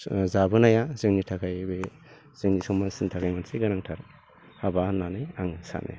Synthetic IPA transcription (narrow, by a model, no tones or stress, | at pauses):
zabɯnajazɯŋnitʰakʰajbe | z̥ɯŋnisɔmasintʰakʰajmansiɡaɾaŋtʰaɾ | habananajaŋsa̰na̰j